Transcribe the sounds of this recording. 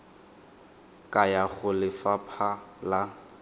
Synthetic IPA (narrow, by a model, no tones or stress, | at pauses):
kʼajaɣʊlɪfapʰala